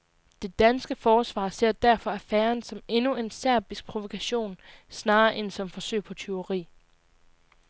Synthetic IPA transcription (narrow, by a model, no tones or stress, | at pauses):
d̥e̝d̥ænsɡ̥əfɒːsʋɑ̰̈se̝ɐ̰d̥æɐfɒ̽æɐfæːɐnsɒ̽me̝nue̝nsæɐ̰b̥isɡ̥̚pʰʁo̝ʋo̝kʰæɕo̝̰ːnsnɑ̈ːʔensɒ̽mfɒ̽sø̰ɪ̰pʰɒ̽t͡sʰe̝oʁḭː